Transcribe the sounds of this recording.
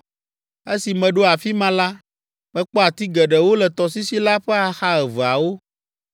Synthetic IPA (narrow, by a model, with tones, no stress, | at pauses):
e˦si˨mɛ̃˨ɖo˦a˨fi˦mã˦la˦ | mɛ̃˨k͡pɔ˦a˨t̪i˦ɡɛ˨ɖɛ˨wo˦lɛ˨t̪ɔ˨si˦si˦la˦ɸɛ˦a˨xa˦ɛ˨və˨a˨wo˦